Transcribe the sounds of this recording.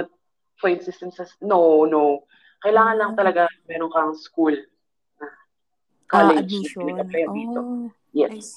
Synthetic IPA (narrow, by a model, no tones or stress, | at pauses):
ɐt̪̚ | fojnsɪsɛmsɐsnoʔnoʔ | kɐjlaːŋɐnlɐŋt̪ɐlɐɡamɛːɾoŋkɐɐŋskul | nɐ | kaːlɛd͡ʒnɐpɪnɐɡ̚kːɐplɛjɐnd̪iːt̪o̞ | jɛs